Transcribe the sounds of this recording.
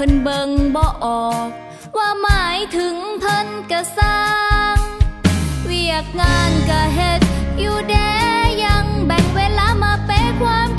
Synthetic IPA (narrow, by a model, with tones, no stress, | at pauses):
ɤ˧nbɤ˧ŋbɔː˧ʔɔː˨˩k̚ | waː˧maː˨˩˦jt̪ʰɯ˨˦ŋpʰɤ˧˥nka˧˩saː˧ŋ | wi˧˩ək̚ŋaː˧nka˧˩ɦe˧t̪̚juː˧˩dɛː˧ja˧ŋbɛ˨˩ŋweː˧˥laː˧˥maː˧pe˧˥kʰwaː˧˥m